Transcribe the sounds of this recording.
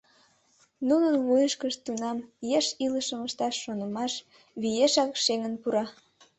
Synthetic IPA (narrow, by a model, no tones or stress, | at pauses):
nunənβujəʃkəʃt̪unɑmjeʃiləʃəməʃt̪ɑʃːonəmɑʃ | βijeʃɑkʃeŋənpuɾɑ